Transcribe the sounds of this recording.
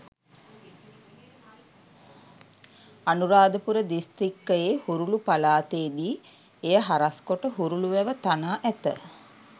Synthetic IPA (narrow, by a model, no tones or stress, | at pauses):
anuɾaːd̪əpuɾəd̪ist̪ɾikːəjehuɾulupalaːt̪eːd̪iː | ejəɦaɾaskoʈəɦuɾuluʋɛʋət̪anaːʔæt̪ə̰